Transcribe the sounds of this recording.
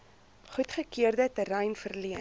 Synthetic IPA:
χutχəkiərdətəɾɛjnfərliə

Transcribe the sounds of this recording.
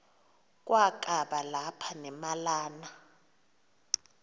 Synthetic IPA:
k̬ʼwʔak̬ʼaɓalapʰanɛmalaːna

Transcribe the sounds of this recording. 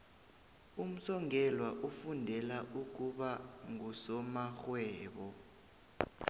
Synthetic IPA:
um̩sɔŋɛlwaʔufundʱɛlaʔuk̬uɓaŋusɔmaxwɛːɓɔ

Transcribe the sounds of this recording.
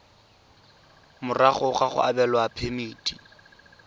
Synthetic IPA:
mʊraχʊχaχʊ̰ʔabɛlwapʰemiːtʼi

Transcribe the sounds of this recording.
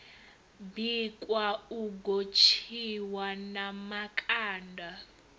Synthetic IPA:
bikʼwauɡot͡ʃʰiwanamakʼaːndʱa

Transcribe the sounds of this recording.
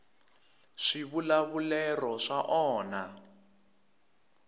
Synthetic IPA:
ʂiβulaβulɛrɔʂaʔɔːna

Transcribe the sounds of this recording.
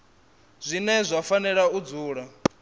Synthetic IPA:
z̥ʷinɛzʷafanɛɺaud͡zuːɺa

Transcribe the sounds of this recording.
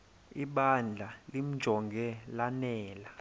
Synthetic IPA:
iɓand͡ɮʱalim̩̥ʒ̥ʱɔŋɡɛlanɛːla

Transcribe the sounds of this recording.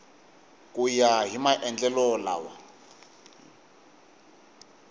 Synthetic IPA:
kʼujaɦimaʔɛnd͡ɮɛlɔla̰wa̰

